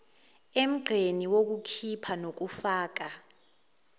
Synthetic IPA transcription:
em̩ɡ͡ǃʱeniwok̬ukʰipʰanok̬ufaːk̬a

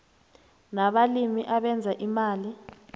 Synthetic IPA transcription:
naɓalimiʔaɓɛnd͡zʱaʔimaːli

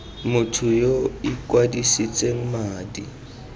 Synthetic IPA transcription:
mʊtʰʊjoikʼwadisit͡sʼeŋ̩maːdi

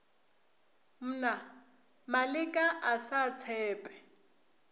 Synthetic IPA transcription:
m̩ːna | malɪkʼaʔasat͡sʰɛːpʼɛ̥

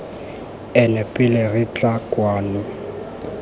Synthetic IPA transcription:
ɛnɛpʼɪlerɪt͡ɬʼakʼwaːnʊ

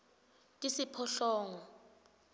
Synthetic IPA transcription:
tʼisipʰɔɬɔːŋɔ

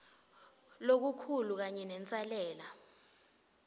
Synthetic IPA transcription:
lok̬ukʰuluk̬aɲɛnɛnt͡sʼalɛːla

